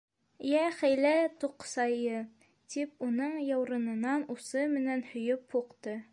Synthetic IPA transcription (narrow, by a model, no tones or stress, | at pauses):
jæχæjlæt̪uqsɑjɤ | t̪ip̚unɤɴjɑwɾɤ̆nɤ̆nɑnusɤmɘ̆nænhɵ̆jɵphuqt̪ɤ